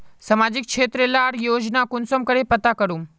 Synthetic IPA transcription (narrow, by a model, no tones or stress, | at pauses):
səmad͡ʑikʂet̪ɾelaːɽjoːd͡ʑnakunsomkəɽepət̪akəɽuːm